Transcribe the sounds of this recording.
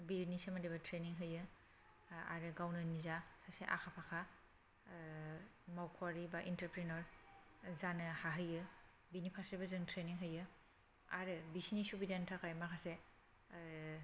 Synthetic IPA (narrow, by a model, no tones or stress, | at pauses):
biɾnisemadibatʰɾeniŋɦɯjɯ | a̰ɾɯɡawnɯnizasaseʔa̰kʰapʰakʰa | mawkʰwaɾibaʔintɐɾpɾinɔɾ | zanɯhaɦɯjɯ | binipʰasebazɯŋtʰɾeniŋɦɯjɯ | a̰ɾɯbisinisubidantʰakʰajmakʰase